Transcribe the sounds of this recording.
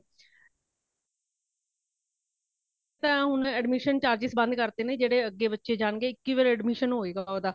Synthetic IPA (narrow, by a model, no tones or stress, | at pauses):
t̪ãːɦʊnɛɖmiːʃənt͡ʃaːɾd͡ʒɪsbə̃nd̪kəɾt̪eːnẽːd͡ʒeːɽeːəɡːeːbətːʃeːd͡ʒaːɳɡeːɪkːiːʋəːɾɛːɖmiʃənɦoːeːɡaːoːd̪aː